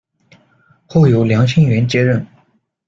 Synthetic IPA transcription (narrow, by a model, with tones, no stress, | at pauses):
xo˥˩ʊjo˨˧˥ʊljɑ˧˥ŋɕʰi˥ŋɥɛ˧˥nt͡ɕjɛ˥ɻə˥˩n